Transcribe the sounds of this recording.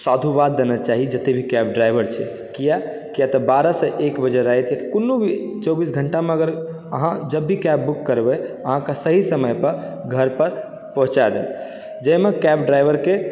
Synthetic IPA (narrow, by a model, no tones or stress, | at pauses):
sad̪ʱubad̪̚ːenat͡ʃaɦid͡ʒət̪ebʱikɛb̚ɖɾajbəɾt͡ʃʰɛ̰ | kija | kijat̪ɔbaɾaseʔekbəd͡ʒeɾaɦɛt̪ʰiakunːubʱit͡ʃɔbisɡʱəɳʈamẽəɡəɾ | ə̰ɦãd͡ʒəbːikɛbːukːəɾbɛəɦãkasəɦisəməjpəɾ | ɡʱəɾpəɾ | pɔɦũt͡ʃad̪ḛl | d͡ʒəjmekɛbɖɾajbəɾke